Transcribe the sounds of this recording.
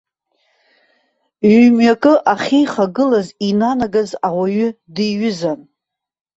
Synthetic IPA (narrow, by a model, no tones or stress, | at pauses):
ɥmɥakʼɨʔaχʲijχaɡɨlazinanaɡazawaɥʏdiɥʏzan